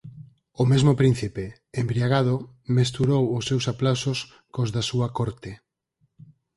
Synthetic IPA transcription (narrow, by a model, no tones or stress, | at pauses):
ʊmezmopɾĩn̟θipe | embɾiaɣ̞að̞ʊ | mes̬t̪uɾowʊsːewsaplawsʊs | kozðasuɐkɔɾt̪e